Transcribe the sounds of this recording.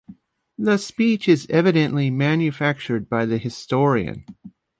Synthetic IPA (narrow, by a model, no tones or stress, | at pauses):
ðɨspit͡ʃɨzɛvɨɾɨ̃nʔlimæ̃njɨfæk̚t͡ʃə˞d̚baɪðɨhɨstɔɹiɨ̰̃n